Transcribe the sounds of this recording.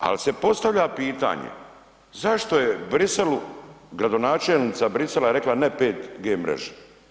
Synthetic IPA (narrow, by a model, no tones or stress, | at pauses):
a̰lise̞po̞st̪avʎapiːt̪a̰ːɲḛ | zaʃt̪o̞jebɾiseluɡɾad̪o̞naːt͡ʃeːlnit̪sabɾiselaɾe̞klanepeːt̪ɡeːmɾḛʒe̥